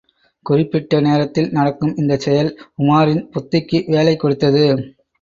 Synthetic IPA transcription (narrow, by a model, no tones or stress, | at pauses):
kʊrɪpːɪʈːɐneːɾɐt̪ːɪlnɐɽɐkːɯmɪnd̪ɐt͡ʃɛjɐlʊmaːɾɪnpʊt̪ːɪkːɯʋeːlɐɪkːɔɽɯt̪ːɐðɯ